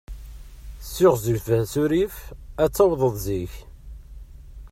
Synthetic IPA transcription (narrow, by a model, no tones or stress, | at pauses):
sːʊʁzəθəhsuɾifæt͡sːɑwðˤəðˤziç